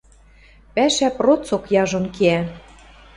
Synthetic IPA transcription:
pæʃæprot͡sokjɑʒŏnkeæ

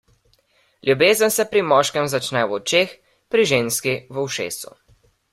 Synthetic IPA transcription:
ljubeːzənsɛpɾimɔːʃkɛmzat͡ʃnɛwɔt͡ʃeːx | pɾiʒeːnskiʋəwʃḛːsṵ

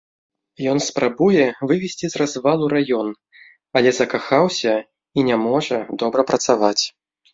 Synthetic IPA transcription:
jɔnspɾabujɛvɨvʲɛsʲt͡sʲizrazvalˠuɾajɔn | ɐlʲɛzɐkaxawsʲɐ | inʲamɔʐɐd̪ɔbɾɐpɾɐt̪savat͡sʲ

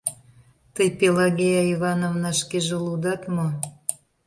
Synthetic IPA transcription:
t̪əjpelɑɣʲejɑiβɑnovnɑʃkeʒelud̪ɑt̪mo

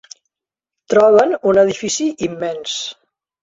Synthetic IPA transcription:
t̪ɾɔβ̞ənunəðifisiʔimːɛns

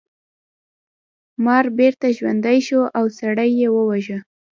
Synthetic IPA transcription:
mɑɾbeɾt̪aʒwand̪ajʃoʔawsaɽajːewəwaʒə

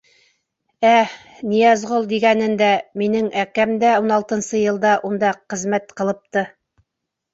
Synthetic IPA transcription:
æ | nijɑzʁolˠd̪iɡænɘnd̪æminɘŋækæmd̪æunɑlˠt̪ɤ̆nsɤjɤ̆lˠd̪ɑʔund̪ɑqɘ̆zmæt̪qɤ̆lˠɤ̆p̚t̪ɤ

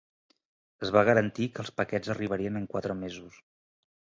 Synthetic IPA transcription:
əzβaɣ̞əɾənt̪ikəːlˠspəkɛd͡zəriβ̞əɾiənəŋkwat̪ɾəmezus

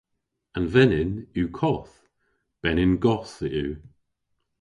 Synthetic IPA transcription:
ənvɛnɪnuːkʰɔθ | b̥ɛnɪnɡɔθəʔuː

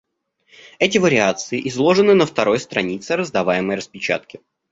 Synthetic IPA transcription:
ɛtʲɪvəɾʲɪat̪sɨɪʔɪzlˠo̞ʐɨnɨnəft̪ɐɾo̞jst̪ɾɐnʲit̪sɨɾəzd̪ɐvajɪməjrəspʲɪt͡ɕa̰t̪kʲɪ

